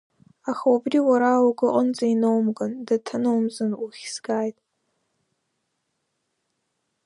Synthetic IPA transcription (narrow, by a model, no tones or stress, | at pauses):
axawabriwaɾawaɡʷɨqʼənzʼainowmɡandatʰanowmzanuχʲsɡaːjtʼ